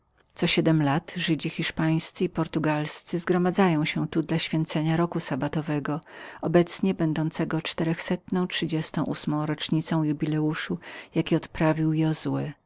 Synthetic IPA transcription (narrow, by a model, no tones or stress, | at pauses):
t̪sɔɕɛd̪ɛmlat̪ʐɘd͡ʑixʲiʂpaj̃st̪sɘipɔɾt̪uɡalst̪sɘzɡɾɔmad̪zajɔ̃w̃ɕɛt̪ud̪laɕfʲjɛnt̪sɛɲaɾɔkusabat̪ɔvɛɡɔɔbɛt̪sɲɛbɛnd̪ɔnt̪sɛɡɔt͡ʂt̪ɛɾɛxsɛt̪nɔ̃w̃tʂɘd͡ʑɛst̪ɔ̃w̃ʔusmɔ̃w̃ɾɔt͡ʂɲit̪sɔ̃w̃jubʲilɛuʂujakʲiɔt̪pɾavʲiwjɛɔzwɘ